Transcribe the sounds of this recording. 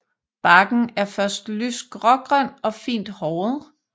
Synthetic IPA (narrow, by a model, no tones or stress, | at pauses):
b̥ɑ̈ɡ̥n̩æɐfɶɐsd̥lysd̥ɡ̥ʁɒɡ̥ʁœn̰ɒ̽fḭːnd̥hɒːð̩ˠ